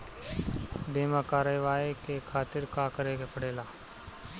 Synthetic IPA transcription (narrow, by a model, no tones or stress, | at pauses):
beːmakaːɾəʋaːikekʰaːt̪ɪɾkakɐɾeːɡepʰɐɽeːlaː